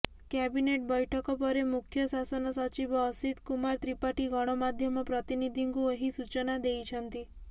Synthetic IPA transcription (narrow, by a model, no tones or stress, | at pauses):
kjɛbineʈbɔjʈʰɔkɔpɔɾemukʰjɔsasɔnɔsɔt͡ʃibɔːsit̪kumaɾt̪ɾipaʈiɡɔɽ̃ɔmad̪ʱjɔmɔpɾɔt̪inid̪ʱiŋkueɦisut͡ʃɔnad̪ejt͡ʃʰɔnt̪i